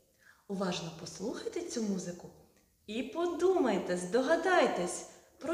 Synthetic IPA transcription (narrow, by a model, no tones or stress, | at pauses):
ʊʋɑʒnɔpɔslˠuxɐjt̪et͡sʲumuzɪkʊ | ipɔd̪umɐjt̪ɛzd̪ɔɦɐd̪ɑjt̪ɛsʲ | pɾɔ